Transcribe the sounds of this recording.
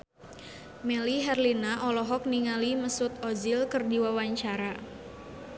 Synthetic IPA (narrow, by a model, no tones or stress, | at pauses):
mɛliɦɛrlinaʔɔlɔɦɔk̚niŋaliməsut̪̚ɔzilkərdiwawaɲt͡ʃaɾa